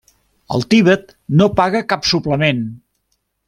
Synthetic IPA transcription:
ə̰lˠt̪iβət̪̚ | nopaɣəkapsupləmen

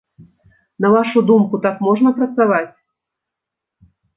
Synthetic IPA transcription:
nɐvaʂud̪umkut̪akmɔʐnɐpɾɐt̪savat͡sʲ

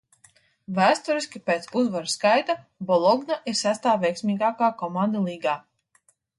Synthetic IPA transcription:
væːst̪uɾisʲkʲipeːt̪suzvaɾskajt̪a | bɔlˠɔɡnaʔiɾsæst̪aːvɛjksʲmʲiːɡaːkaːkɔmand̪alˠiːɡaː

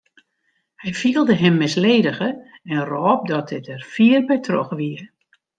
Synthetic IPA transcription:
hɛjfiəlˠdəɦɛmːɪsleːdəɣəɛnrɔːp̚dɔt̚dɪtɛrfiərbɛjtʰrɔ̰xəʋiə

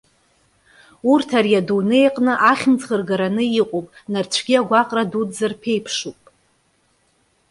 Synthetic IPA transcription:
urtʰarjadunejqʼnɨʔaχʲmt͡sχərɡaɾanɨiqʼopʼnart͡ʃʷʰɡʲiaɡʷaqʼradudzarpʰe̞jpʰʂupʼ

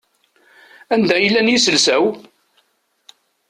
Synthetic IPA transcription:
ænd̪æjəlːænjisəlsæw

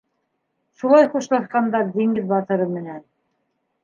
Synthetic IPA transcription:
ʃulˠɑjχuʃlˠɑsqɑnd̪ɑɾd̪iŋɡɘðbɑt̪ɤ̆ɾɤmɘ̆næn

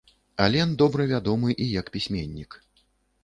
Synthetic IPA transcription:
alʲɛnd̪ɔbɾɐvʲad̪ɔmɨʔijɐkpʲisʲmʲenʲːik

